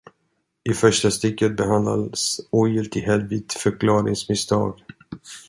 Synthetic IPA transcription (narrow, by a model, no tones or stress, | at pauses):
ɪfœʂʈast̪ɪkːət̪̚bɛɦand̪la̰d̪suːjɪlt̪ʰɪɦɛlvɪːt̪fœɾkʰlɑːɾɪ̰ŋsmɪst̪ʰɑ̰ːɡ